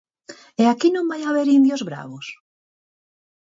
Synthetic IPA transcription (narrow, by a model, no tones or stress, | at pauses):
eakinõmbajaβeɾind̪jozβɾa̰βos